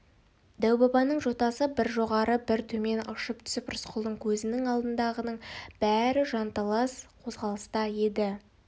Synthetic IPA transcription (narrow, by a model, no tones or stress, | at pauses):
d̪æwbɑbɑnəɴʒo̞t̪ɑsəbɪɾʒo̞ʁɑɾəbɪɾt̪ʰɵme̞nɑʃəp̚t̪ʰʏ̥sɪprʊsqʰʊlˠd̪əɴkʲʰɵzɪnɪŋɑlˠd̪ənd̪ɑʁənəɴb̥æɾɪʒɑnt̪ɑlˠɑsqʰo̞zʁɑlˠəst̪ɑje̞d̪ɪ